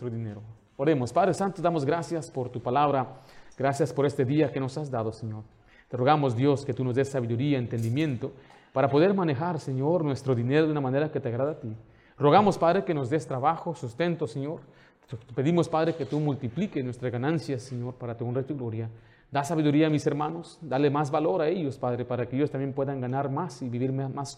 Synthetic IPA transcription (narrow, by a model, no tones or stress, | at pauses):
ɾoineɾo | oɾemospaðɾesant̪od̪amozɡɾasjaspoɾt̪upalaβɾaɡɾasjaspoɾest̪eðiakenosazd̪aðoseɲoɾ | t̪eroɣamozd̪jo̞sket̪unozd̪esːaβiðuɾiaent̪end̪imjẽ̞nt̪o | paɾapo̞ðe̞ɾmanexaɾseɲoɾnwest̪ɾoðineɾoðunamãneɾaket̪eaɣɾaðat̪i | roɣamospaðɾekenozd̪est̪ɾaβaxosust̪e̞nt̪oseɲoɾ | peðimospaðɾeket̪umult̪iplikesnwest̪ɾazɣanãnsjasːeɲoɾpaɾat̪eunret̪oiɣlo̞ɾja | d̪asaβiðuɾiaːmise̞ɾmano̞sd̪alemazβalo̞ɾae̞ʝospaðɾepaɾakeejost̪ambje̞mpwe̞ðaŋɡanaɾmasiβiβiɾmamas